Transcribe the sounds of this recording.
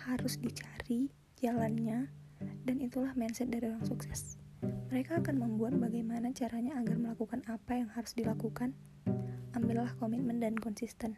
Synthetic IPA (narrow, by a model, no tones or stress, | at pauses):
haɾʊsdit͡ʃaɾi | d͡ʒalanɲa | danit̪ulahmɛnsɛt̪̚daɾioɾaŋsuksɛsməɾekaːkanməmbuat̪̚baɡajmanat͡ʃaɾaɲaːɡarməlakukanapajaŋhaɾʊsdilakukan | ambɪlːahkomit̪̚məndankɔnsist̪ɛn